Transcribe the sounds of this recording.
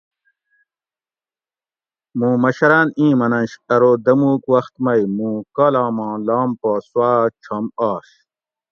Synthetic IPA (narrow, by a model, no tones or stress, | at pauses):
mũːmɐɕɐɾaːnĩːmɐnɐ̃nɕɐɾoːd̪ɐmuːkwɐxt̪mɐjmũːkaːlaːmãːlaːmpaːswaːʈ͡ʂʰɐmaːɕ